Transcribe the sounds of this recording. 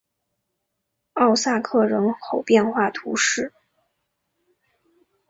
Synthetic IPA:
ɑ˥˧ʊsa˥˧kʰɤ˥˩ɻɤ˧˥ŋxo˨˩ʊpjɛ˥˧nxwa˥˩t̪ʰu˧˥ʂɻ̩˥˩

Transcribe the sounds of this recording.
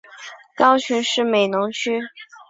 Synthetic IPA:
kɑ˥ʊɕʰy˧˥nʂɻ̩˥˩me˨˩ɪnʊ˧˥ŋt͡ɕʰy˥

